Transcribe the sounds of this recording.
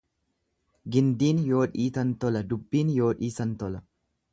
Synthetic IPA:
ɡɪnd̪iːnjo̞ːᶑiːt̪ɐnt̪ɔlɐd̪ʊbːiːnjo̞ːᶑiːsɐnt̪ɔlɐ

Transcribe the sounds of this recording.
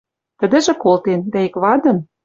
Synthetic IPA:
t̪ə̆d̪ɘ̆ʒĕkolt̪end̪æikβɑd̪ɤ̆n

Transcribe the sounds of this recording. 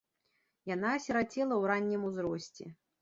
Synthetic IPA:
janaːsʲɛɾat͡sʲɛlˠɐwɾanʲːimuzɾɔsʲt͡sʲɛ̰

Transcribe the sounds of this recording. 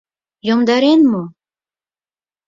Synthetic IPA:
jomd̪ɑɾenmo

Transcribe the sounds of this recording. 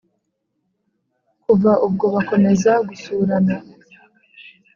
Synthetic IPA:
kuvaʔub̚ɡo̞βako̞me̞zaɡusuɾana

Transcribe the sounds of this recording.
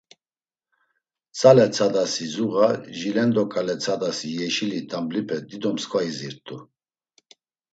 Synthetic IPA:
t͡sʼalɛt͡sʰad̪asizuɣaʒilɛnd̪ɔkʼalɛt͡sʰad̪asijɛʃilit̪ʰʼamblipʰɛd̪id̪ɔmskʰʼvaiziɾt̪ʼu

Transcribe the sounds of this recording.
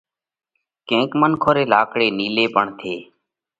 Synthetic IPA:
kẽːkmənkʰoːɾeːlaːkɽeːniːleːpəɳt̪ʰeː

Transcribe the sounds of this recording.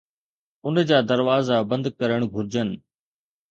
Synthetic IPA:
ʊnd͡ʑaːd̪ɐɾʋaːzabɐ̃nd̪kɐɾəɽ̃ɡʱʊɾd͡ʑənɪ̆

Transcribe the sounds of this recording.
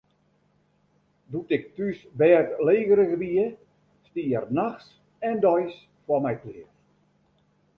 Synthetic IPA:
dutɪk̚tysbɛːtleːɣəɾəɣəbiə | stiːərnaxs | ɛndɔjs | fwɔmɛjklɪəf

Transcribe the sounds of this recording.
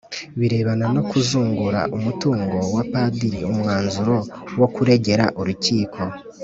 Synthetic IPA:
βiɾe̞ːβanano̞kuzuːŋɡuɾa̰ʔumutuːŋɡo̞wapadiɾiumŋaːnzuɾo̞wo̞kuɾe̞ɟe̞ɾa̰ʔuɾuciːkʰo̞

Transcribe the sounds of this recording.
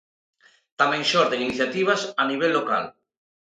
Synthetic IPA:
t̪amẽŋʃoɾðeŋiniθjat̪iβ̞asaniβ̞elːoka̰l

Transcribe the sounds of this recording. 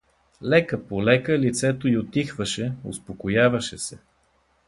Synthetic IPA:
lɛkəpolɛkəlit̪sɛt̪oiot̪ːixvəʃɛo̰spokojavɐʃɛsɛ

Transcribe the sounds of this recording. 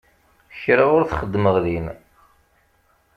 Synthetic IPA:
çɾiʁʊɾθχəd̪ːməʁðin

